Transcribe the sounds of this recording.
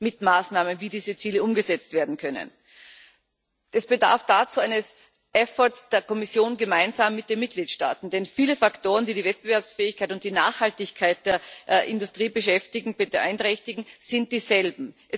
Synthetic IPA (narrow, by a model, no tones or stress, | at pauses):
mɪtmaːsnaːmənviːdiːzət͡siːləʔʊmɡəzɛt͡stv̥eːɐdn̩kʰœnə̰n | d̥asb̥əda̰ɐfd̥aːt͡suːaɪnəs | ʔɛfɔtsd̥eːɐkɔmɪsjoːnɡəmaɪnzaːmːɪt̚d̥eːnmɪt̚ɡ̥liːtʃta̰ːtn̩d̥ɛnfiːləfaktʰoːʁəndiːdiːvɛt̚b̥əvɛɐpsfɛːɪçkʰaɪtʊnt̚d̥iːna̰ːχhaltɪçkʰaɪt̚d̥eːɐʔɪndʊstʁ̥iːbəʃɛftɪɡŋ̩bəʔa̰ɪntʁɛçtɪɡŋ̩z̥ɪnt̚d̥iːzɛlbm̩ʔɛ